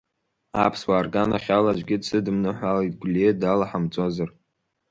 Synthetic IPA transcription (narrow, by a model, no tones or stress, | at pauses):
a̰pʰswaːrɡanaχʲalad͡ʒʷɡʲɪdsɨdɨmnɨħʷalatɡʷlʲedalaħamt͡sʼozar